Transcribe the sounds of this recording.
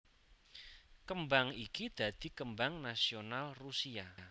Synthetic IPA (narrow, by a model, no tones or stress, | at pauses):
kəmbaŋikid̪̥a̤d̪̥i̤kəmbaŋnasionalrusia